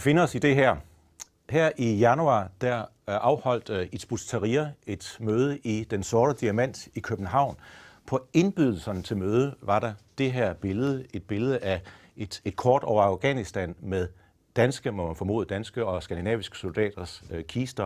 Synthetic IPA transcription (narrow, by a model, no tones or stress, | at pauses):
ʋife̝nəɒ̽sid̥e̝ɦæɐ̰ | hæɐ̰ʔijænuɑ̈d̥æɐ | ɑ̈ʊhɒ̽l̰d̥i̥sb̥ust͡sʰæʁiɐe̝d̥møːð̞ˠəʔid̥ensɔːɾ̥əd̥iæmæn̰d̥ikʰøb̥n̩ɦɑ̈ʊ̰npʰɒ̽e̝nb̥yð̞ˠl̩sɐnət͡sʰe̝lmøːð̞ˠəʋɑ̈ɾɑ̈d̥e̝ɦæɐ̰b̥e̝ləð̞̩ˠəe̝d̥̚b̥e̝ləðˠəʔæ | e̥ed̥kʰɒːd̥ɒʊɐɑ̈ʊɡ̥ænisd̥ænmeðˠ | d̥ænsɡ̥əmɔmænfɒ̽mo̝̰ːð̩ˠd̥ænsɡ̥əɒ̽sɡ̥ænd̥inɛ̰ːʋisɡ̥ə̥so̝ld̥ɛ̰ːd̥ɐskʰiːsd̥ɐ